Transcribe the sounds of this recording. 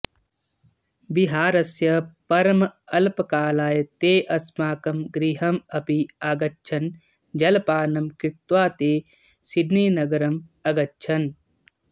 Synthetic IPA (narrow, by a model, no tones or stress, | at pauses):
biɦaːɾɐsjɐpɐɾɐmɐlpɐkaːlaːjɐt̪eːʔɐsmaːkɐmɡɾiːɦɐmɐpiaːɡɐtːt͡ʃʰɐn | d͡ʒɐlpaːnɐmkɾɪt̪ʋaːt̪eː | siɖniːnɐɡɐɾɐmɐɡɐtːt͡ʃʰɐn